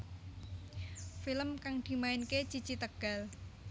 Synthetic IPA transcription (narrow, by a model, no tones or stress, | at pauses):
filəmkaŋd̪̥i̤maɪnket͡ʃit͡ʃit̪əɡ̥a̤l